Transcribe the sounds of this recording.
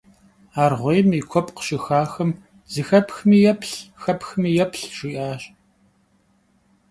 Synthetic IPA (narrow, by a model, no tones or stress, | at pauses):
aːrʁʷejmikʷʰɔpʼqə̥ʃɪxaːxɨm | z̥ɨxɐpxmiːjɛpʰɬxɐpxmiːjɛpʰɬʒ̥iːʔaːɕ